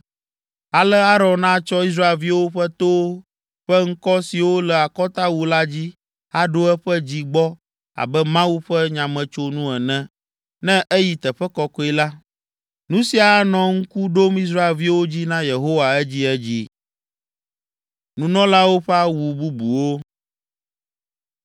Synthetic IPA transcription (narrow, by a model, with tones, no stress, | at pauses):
a˨lɛ˦a˦ɾɔ̃˨nnã˦t͡ʃɔ˦i˦s̬ɾa˦e˨lvi˦wo˦ɸɛ˦t̪o˦ | ɸɛ˦ŋ̩˦kɔ˦si˨wo˦lɛ˨a˨kɔ˦t̪a˦wu˨la˦d͡ʑi˦ | a˦ɖo˦ɛ˦ɸɛ˦d͡ʑi˦ɡ͡bɔ˦ | a̰˨bɛ˦mã˦wu˦ɸɛ˦ɲã˨mɛ̃˨t͡ʃo˦nũ˦ɛ˨nɛ̃˦ | nɛ̃˦ʔɛ˦ji˨t̪ɛ˨ɸɛ˦kɔ˦kɔ˦i˦la˦ | nũ˦si˦a˨˦nɔ̃˨ŋ̩˦ku˦ɖo˦mi˦s̬ɾa˦e˨lvi˦wo˦d͡ʑi˦nã˦je˨ɦo˦wa˨ɛ˦d͡ʑi˦ɛ˦d͡ʑi˦ | nũ˦nɔ̃˦la˦wo˦ɸɛ˦a˦wu˨bu˦bu˨wo˦